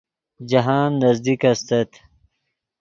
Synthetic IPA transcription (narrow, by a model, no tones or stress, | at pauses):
d͡ʑɐɦaːnːɐzd̪ikɐst̪ɐt̪